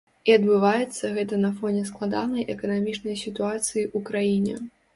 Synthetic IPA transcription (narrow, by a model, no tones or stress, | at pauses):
iɐd̪bɨvajɛt̪sːɐɣɛt̪ɐnɐfɔnʲɛsklˠad̪anɐjʔɛkɐnamʲit͡ʂnɐjsʲit̪uat̪sɨjiʔukɾajinʲɛ̰